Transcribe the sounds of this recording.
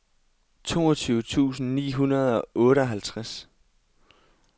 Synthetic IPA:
t͡sʰo̝̰ːɒt͡sʰyːʊət͡sʰṵːsn̩nḭːɦunɐð̞ˠɒ̽ɔːɾəɒ̽ɦælt͡sʰʁas

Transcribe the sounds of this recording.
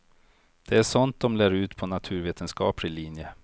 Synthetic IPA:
d̪̥ɛæʂɔnt̪̚d̪ɔmlæːɾʉ̟ːt̪pʰɔnat̪ʰʉ̟ːɾveːt̪ʰənskɑ̰ːpɾɪliːnjə

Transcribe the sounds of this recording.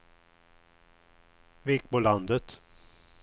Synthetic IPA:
vɪɪk̚pɔland̪ət̪

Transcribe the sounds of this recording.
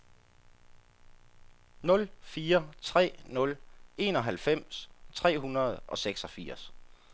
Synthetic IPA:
nɔ̽lfiːɐt͡sʰʁɛ̰ːnɔ̽le̝̰ːnɒ̽ɦælfem̰st͡sʰʁɛ̰ːɦunɐð̞̩ˠʔɒ̽seɡ̥sɒ̽fiːɐs

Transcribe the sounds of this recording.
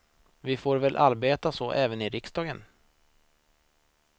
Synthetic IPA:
vɪfoːɾvɛlʔaɾbeːt̪asɔʔɛːvənɪɾɪksd̪ɑːɡən

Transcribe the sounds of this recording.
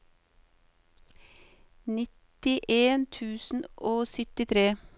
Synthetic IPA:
nɪt̪ɪʔeːnt̪ʰʉːsn̩ʔoːsʏt̪ɪt̪ʰɾeː

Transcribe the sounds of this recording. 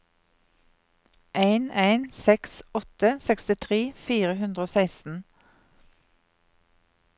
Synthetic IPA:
ʔæɪnæɪnsɛksɔt̪əsɛkst̪ɪt̪ʰʁeːfiːʁəhʉnd̪ʁəoːsæɪst̪n̩

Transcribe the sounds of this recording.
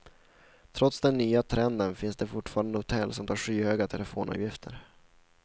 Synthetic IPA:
t̪ʰɾɔt̪sd̪ɛnːyːat̪ʰɾɛnd̪ənfɪnsd̪ɛfʊʈfɑːɾand̪əhʊt̪ʰɛlːsɔmt̪ʰɑːɾɧyːhøːɡat̪ʰɛlɛfoːnʔɑ̰ːvjɪft̪ʰə̰ɾ

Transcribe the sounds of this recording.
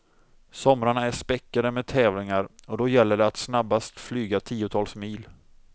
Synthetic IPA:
sɔmɾaɳaæʂpɛkːad̪əmɛd̪̚t̪ʰɛːvlɪŋaɾɔd̪ɔjɛlːəɖɛat̪snabːast̪flyːɡat̪ʰiːʊt̪ʰɑːlsmiːl

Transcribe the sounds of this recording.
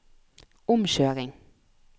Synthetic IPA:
ʊmʃøːʁɪŋ

